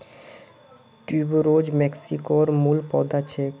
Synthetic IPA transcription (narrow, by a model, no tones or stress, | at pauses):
ʈibɾod͡ʑmɛksikoɾmulpɔd̪at͡ɕʰek